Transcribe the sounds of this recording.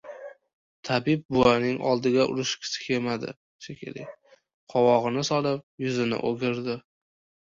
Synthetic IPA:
t̪ʰabɪp̚bʊanɪŋʔɒ̰lˠd̪ɪɡʲaʔʊ̰ɾɪʃkʲʰɪ̥sɪ̥kʲʰemad̪ɪ̰ | ʃekʲʰḛlɪ̰ | qʰɒwɒʁɨnɪsɒlˠɪp̚jʊzɪnɪ̰ʔoɡʲɪɾd̪ɪ

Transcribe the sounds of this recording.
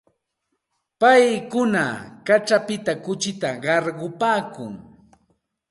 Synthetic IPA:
pajkʊna̰kat͡ʃapɪt̪akʊt͡ʃɪt̪aɢɑɾɢʊpaːkʊŋ

